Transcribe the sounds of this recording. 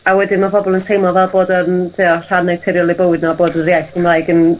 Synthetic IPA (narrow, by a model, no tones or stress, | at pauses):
awɛdɪnmabɔbɔlˠəntʰejmɔvɛlˠboːdəntʰiɔr̥anɛtʰɛɾjɔlˠibəwɪdnɔboːdənrjajθɡəmlajɡən